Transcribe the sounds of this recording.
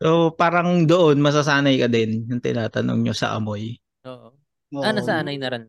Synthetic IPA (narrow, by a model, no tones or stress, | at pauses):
ʔoʔpaːɾɐŋd̪oʔonmɐs̬asaːnɐjkɐd̪ɛnjɐŋt̪ɪ̰naːt̪ɐno̰ŋɲosɐ̰ʔɐ̰moj | ʔoːʔo | oʔɐnɐsɐaːnɐjnɐɾɛn